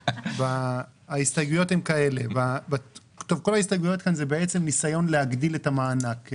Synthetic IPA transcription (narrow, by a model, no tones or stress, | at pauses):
vaːist̪ajɡujo̞themkae̞levavakt̪o̞vko̞laist̪ajɡujo̞t̪kanzebeet͡semnisajo̞nlehaɡdile̞tamaːnak